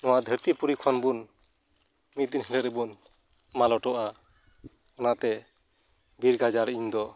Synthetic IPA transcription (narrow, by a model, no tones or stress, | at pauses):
nɔwaʔd̪ʱəɾt̪ipuɾikʰɔnbun | mit̪̚d̪inɦɛlɛɾɛbun | malɔʈɔʔa | ɔnaʔt̪ɛ | bʱiɾɡad͡ʒaɾəʔiɲd̪ɔ